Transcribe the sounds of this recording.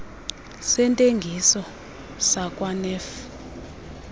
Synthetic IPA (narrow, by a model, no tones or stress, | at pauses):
sɛntʼeŋɡʱisɔ | sakʼwanɛf